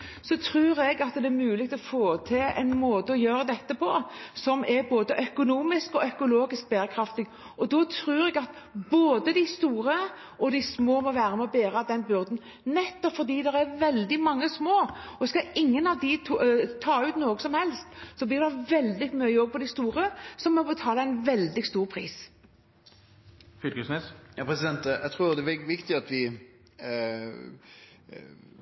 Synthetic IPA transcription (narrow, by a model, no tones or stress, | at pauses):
sɔt̪ʰɾʉːɾɛɡɑt̪d̪ɛæɾmʉːlɪɡ̚t̪ʰlɔfoːt̪ʰɪlɛ̰ɪnmoːd̪əɔjøːɾəd̪ɛt̪ːəpʰɔsɔmʔɛɾboːd̪əʔœkʊnuːmɪskɔœkʊloːɡɪsk̚bæːɾəkʰɾɑft̪ɪɡ | ɔd̪ɔt̪ʰɾʉːɾɛɡɑt̪ | boːd̪əd̪ɪst̪uːɾə | ʔɔd̪ɪsmoːmɔʋæːɾəmɔbeːɾɑd̪ɛnbʏɾd̪n̩ | nɛt̪ːɔpfɔɾd̪iːd̪ɛɾɛɾʋɛld̪ɪmɑŋːəsmoːɔskɑʔɪŋːənɑʋd̪ɪt̪ʰut̪ʰɑːʉːt̪noːɡəsɔmhɛlst̪sɔblɪːʁd̪ɛʋɛld̪ɪɡmœəɔɡ̚pʰɔd̪ɪst̪uːɾəsɔmːɔbət̪ʰɑːləæɪnʋɛld̪ɪɡst̪uːʁpʰʁḭːs | fʏlkəsnesjɑpʰɾɛsɪd̪ɛnt̪ɛ̰t̪ʰʁuːd̪ɛɪʋɪkt̪ɪɑt̪ʋɪ